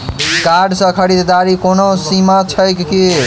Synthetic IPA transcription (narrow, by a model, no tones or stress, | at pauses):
kaɖsə̃kʰəɾid̪d̪aɾikonosimat͡ʃʰəkki